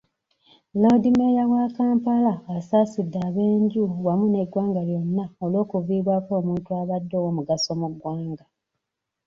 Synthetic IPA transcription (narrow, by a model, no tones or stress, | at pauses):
lo̞dimejawakaːmpalaːsaːsidːaːβe̞ːɲɟuwamune̞ɡwaːŋɡaljo̞nːaolo̞ːkuviːβwakoːmuːntuaβadːowomuɡaso̞muɡwaːŋɡa